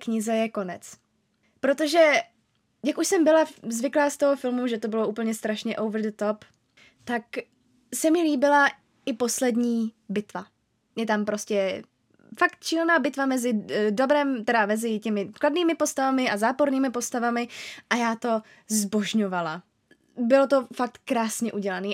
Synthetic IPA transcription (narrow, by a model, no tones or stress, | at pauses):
kɲɪzɛjɛko̞nɛt͡s | pɾo̞t̪o̞ʒɛ | jakuʃsɛmbɪlazvɪklaːst̪o̞ɦofɪlmuʒɛt̪obɪloʔuːpl̩ɲɛst̪ɾaʃɲɛʔowvɾdt̪o̞p | t̪ak | sɛmɲɛliːbɪla | ʔɪpo̞slɛdɲiː | bɪt̪va | jɛt̪ampɾo̞scɛ | fakt̪̚t͡ʃilnaːbɪt̪vamɛzɪdobɾɛːmt̪ɛɾamɛzɪcɛmɪkladniːmɪpo̞st̪avamɪʔazaːpo̞ɾniːmɪpo̞st̪avamɪʔajaːt̪o̞ | zbo̞ʒɲo̞vala | bɪlot̪o̞fak̚t̪kɾaːsɲɛʔuɟɛlaniː